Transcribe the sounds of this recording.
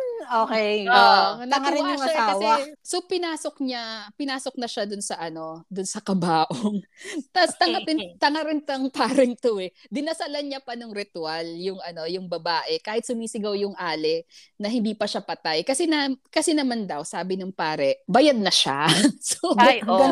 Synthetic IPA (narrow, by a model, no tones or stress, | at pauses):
oːkɛjonɐŋɐaʃɐaakɐwɛasopɪnaːsok̚ɲapɪnaːso̞k̚nɐʃad̪ʊnsɐʔɐno̞d̪ʊnsɐkɐbaːʔoŋt̪ɐst̪ɐŋatɪnt̪ɐŋɐɾɪnt̪ɐŋpaːɾɛŋt̪oɛd̪ɪnɐsɐlɐnɲapɐnoŋɾɪt̪ʊaljʊŋʔɐno̞jʊŋbɐbaːʔɛkaːhɪt̪sʊmiːsɪɡɐwjʊŋʔaːlɛ | nɐhɪnd̪iːpɐʃapɐt̪ajkɐsɛnakɐsɛnɐmand̪ɐwsaːbɪnɐŋpaːɾɛʔbɐjad̪̚nɐʃa̰soo